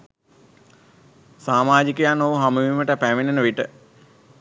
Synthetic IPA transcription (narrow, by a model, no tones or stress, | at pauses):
saːmaːd͡ʒikəjanoʋɦaməʋiməʈəpæʋenenəʋiʈə